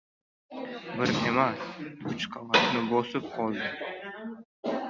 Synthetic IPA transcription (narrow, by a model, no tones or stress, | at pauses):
bɪɾemasʊt͡ʃqʰalat̪nɪbɒsɪp̚qʰɒlˠd̪ɪ